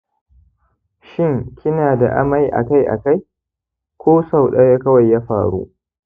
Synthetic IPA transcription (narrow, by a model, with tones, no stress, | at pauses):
ʃɪ˦˨ŋkʲɪ˦naː˨da̰˨ʔa̰˦ma˦jʔa̰˨ka˦jʔa̰˨ka˦j | kʷoː˦sa˨wɗɐ˦ja˦kɐ˦wa˨jːaː˦ɸa̰ː˨ɽṵ˦ʔ